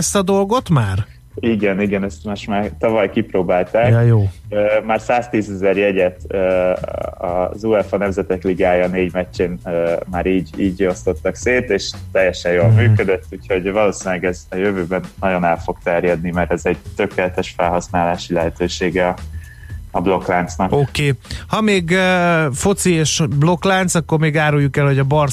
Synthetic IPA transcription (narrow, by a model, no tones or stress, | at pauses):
ɛst̪ɒd̪o̞lɡo̞t̪maːr | iɡɛniɡɛnɛst̪moʃt̪maːrt̪ɒvɒjkiproːbaːlt̪aːkjoːøːmaːrsaːst̪iːzɛzɛrjɛɟɛt̪øː | ɒ̰zuɛfɒnɛmzɛt̪ɛkliɡaːjɒneːɟmɛt͡ʃːeːnmaːɾiːɟiːɟo̞st̪o̞t̪ːɒkseːt̪eːʃt̪ɛjːɛʃɛjoːlmyːkød̪ət̪ːuːcho̞ɟvɒloːsiːnlɛɡɛzɒjøvøːbɛnːɒɟo̞nɛlfo̞k̚t̪ɛrjɛd̪nimɛɾɛzɛɟt̪ø̞keːlɛt̪ɛʃfɛlɦɒsnaːlaːʃilɛɦɛt̪øːʃeːɡɛɒ | ɒblo̞klant̪snɒkokeːhɒmeːɡfo̞t̪sieːʃblo̞klaːnt̪sɒkːo̞rmeːɡaːɾujːukɛlhoɟɒbɒr